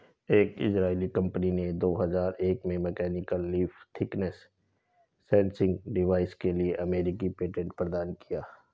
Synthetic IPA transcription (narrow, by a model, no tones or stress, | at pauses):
eːkɪ̰sɾaːilikɐ̃mpənined̪oːɦɐzaːɾeːkmẽmɛkɛːnɪkəlːiːft̪ʰɪknəsː | ɛ̃ːnsɪ̃ŋɡɖɪʋaːɪskelieʔɐmeːɾɪkipeːʈẽɳʈ̚pɾəd̪aːnkijaː